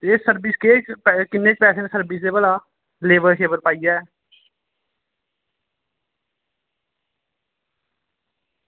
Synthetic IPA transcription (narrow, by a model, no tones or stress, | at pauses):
t̪esəɾbɪskekpkɪnːeːk̚pɛːseːnesəɾbɪsd̪eːbəlaː | leːʋəɾʃeːbəɾpaːijɛː